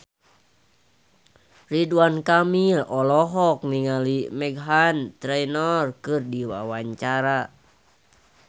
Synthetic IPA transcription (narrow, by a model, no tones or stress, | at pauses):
riduankamilɔlɔɦɔk̚niŋalimɛɡɦant̪ɾɛjnɔrkɨrdiwa̰waɲt͡ʃaɾa